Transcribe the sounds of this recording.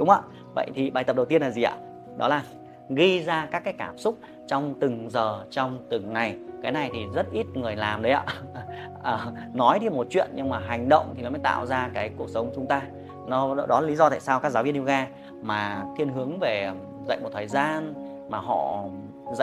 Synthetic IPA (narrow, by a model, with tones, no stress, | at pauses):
ɗʊ˨˦ŋ͡mʔa̰ː˧˨ | və̰˧˨jt̪ʰi˨˩ɓaː˨˩jt̪ə˨˩p̚ɗə˨˩wt̪i˧ənlaː˨˩zi˨˩ʔa̰ː˧˨˩ | ɗɔ˨˦laː˨˩ | ɣi˧zaː˧kaː˦˥kːaː˨˦jkaː˧˩msʊ˦˥k͡p̚ | t͡ɕɔ˧wŋ͡mt̪ɨ˨˩ŋzəː˨˩t͡ɕɔ˧wŋ͡mt̪ɨ˨˩ŋːa˨˩jkaː˨˦jna˨˩jt̪ʰi˨˩zə˦˥t̚ʔi˦˥t̚ŋɨ˨˩əjlaː˨˩mɗə˨˦jʔa̰ː˧˩ʔəː˨˩ | nɔ˨˦jɗi˧mo˨˩t̚t͡ɕwḭ˧˨ənɲɨ˧ŋmaː˨˩ɦa˨˩jŋ̟ɗə̰˧˨wŋ͡mt̪ʰi˨˩nɔ˨˦mə˨˦jt̪a̰ː˧˨wzaː˧kaː˨˦jku˨˩ək̚sə˨˦wŋ͡mt͡ɕʊ˨˦ŋ͡mt̪aː˧ | nɔ˨˦ɗɔ˨˦lːa˨˩li˨˦zɔ˧a̰ː˧˨saː˧wkaː˦˥k̚za˨˦wvi˧ənʔwɣaː˧ | maː˨˩t̪ʰi˧ənɦɨ˨˦əŋve˨˩ | zə̰˧˨jm˨˩t̪ʰːjzaː˧n | maː˨˩ɦɔ̰˧˨ | zə̰˧˨